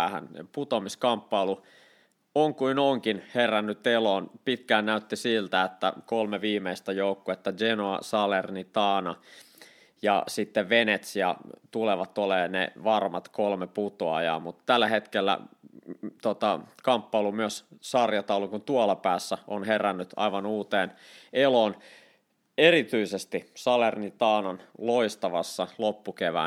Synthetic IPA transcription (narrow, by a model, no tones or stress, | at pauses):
hæ̰nput̪omiskɑmpːɑulu | oŋkuinoŋkinherænːyt̪elonpit̪kæːnnæyt̪ːisilt̪æet̪ːæ̰kolmeʋiːmeist̪æjoukːoet̪ːæd͡ʒenoɑ̰sɑlernit̪ɑːnɑ | jɑ̰sit̪ːeʋʋenet̪sjɑ̰t̪uleʋɑt̪oleːnḛʋɑrmɑt̪kolmeput̪oɑ̰jɑ̰ːmut̪t̪ælːæhet̪kelːæ̰ | t̪ot̪ɑkɑmpːɑilumyøssɑrjɑt̪ɑulukunt̪uɑlɑpæːsːæʔonherænːyt̪ɑ̰iʋɑnuːt̪eːnelon | erit̪yisest̪isɑlernit̪ɑːnɑnloist̪ɑʋɑsːɑlopːukeʋæ̰ː